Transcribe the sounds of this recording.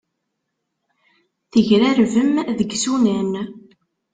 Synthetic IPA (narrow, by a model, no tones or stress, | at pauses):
θəʝɾæɾvəmðəɡsunæn